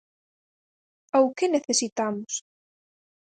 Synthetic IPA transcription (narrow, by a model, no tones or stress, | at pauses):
awkeneθesit̪amʊs